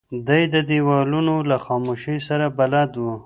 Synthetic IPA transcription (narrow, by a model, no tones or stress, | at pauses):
d̪ajd̪əd̪iwɑlunolaxɑmoʃəjsaɾabalad̪wu